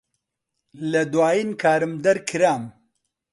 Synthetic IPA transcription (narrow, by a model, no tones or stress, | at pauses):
lɐd̪waːjiːnkʰaːɾɨmd̪ɐɾkʰɨɾaːm